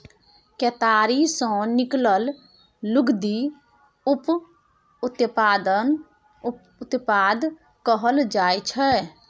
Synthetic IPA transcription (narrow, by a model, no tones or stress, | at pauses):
ket̪aːɾisə̃nɪkləlː | ʊɡd̪i | ʊp | ʊt̪paːd̪ən | ʊt̪paːd̪ | kəɦəld͡ʒaːjt͡ʃʰɛ